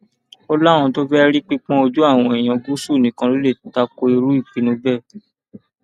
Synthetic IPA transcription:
ɔ˧la˦˨w̃ɔ̃˧to˦fɛ˦ɾi˦k͡pi˦k͡pɔ̃˦o˧d͡ʒu˦a˦˨w̃ɔ̃˧e˨j̃ã˧ɡu˦su˦˨nĩ˨˦kã˧lo˦le˦˨ta˧ko˧i˧ɾu˦i˦˨k͡pi˨˦nũ˨˦bɛ˦˨

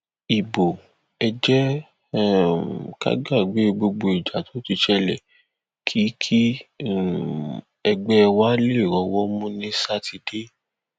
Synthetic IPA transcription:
i˨bo˨ | ɛ˧d͡ʒɛ˦ | ka̰˦ɡa˦˨ɡ͡be˨˦˧ɡ͡bo˧ɡ͡bo˧i˨d͡ʒa˨tʰo˨˦ti˧ʃɛ˧lɛ˨ | kʰi˨˦kʰi˦ | ɛ˧ɡ͡bɛ˦˧wa˦le˦i˦˨ɾɔ˨˧˦wɔ˦mũ˦nĩ˦sa˦ti˧de˦

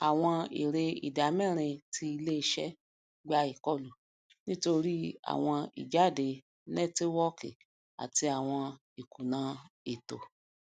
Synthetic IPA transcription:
a˨w̃ɔ̃˧ḭ˨ɾe˧ḭ˨da˨˦mɛ̃˦˨ɾ̃ĩ˧ti˧i˧le˦i˧ʃɛ˦ | ɡ͡ba˧i˨kɔ˦˨lu˨ | nĩ˦to˧ɾi˦a̰˨w̃ɔ̃˧ḭ˨d͡ʒa˦˨de˧ | nɛ˦ti˦wɔ˦ke˨ | a̰˨ti˧a˨w̃ɔ̃˧ | i˨ku˨nãː˨˦e˨to˨

